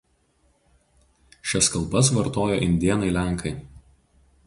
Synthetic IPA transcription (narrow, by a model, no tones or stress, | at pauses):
ʃʲɛskɐlˠˑbɐsʋɐɾt̪oːjo̰ːʔɪnʲd̪ʲiɛnɐɪlʲæˑŋˑkʰɐɪ